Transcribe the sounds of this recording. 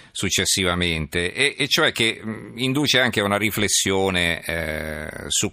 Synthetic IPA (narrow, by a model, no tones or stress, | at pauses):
sut͡ʃːesːivament̪eʔeʔːt͡ʃːoɛk̟ːeind̪uːt͡ʃeaŋk̟eunaɾiflesːjoːne | su